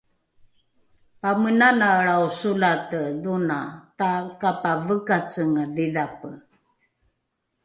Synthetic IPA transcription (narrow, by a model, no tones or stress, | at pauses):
pamənanaɭausulatəðunatakapavəkat͡səŋəðiðapə